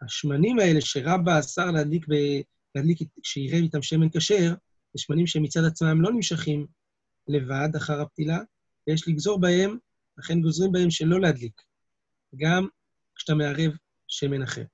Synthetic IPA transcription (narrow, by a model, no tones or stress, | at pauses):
aʃmanimae̞le̞ʃeʁabaːsaʁlehad̪likbe | lead̪likiʃeiʁe̞vitamʃe̞me̞nkaʃe̞ʁ | zeʃmanimʃemit͡sadat͡smamlo̞nimʃaχim | le̞vad̪aχaʁap̚t̪ila | vejeʃliɡzo̞ʁbae̞m | laχe̞nɡo̞zʁimbae̞mʃe̞lo̞lead̪lik | ɡam | kʃe̥t̪ameaʁe̞v | ʃe̞me̞naχḛʁ